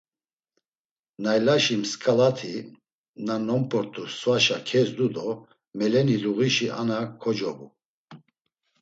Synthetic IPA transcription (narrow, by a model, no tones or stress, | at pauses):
najlaʃimskʼalat̪ʰi | nanɔmpʼɔɾt̪ʰusvaʃakʰɛzd̪ud̪ɔ | mɛlɛniluɣiʃiʔa̰nakʰɔd͡ʒɔbu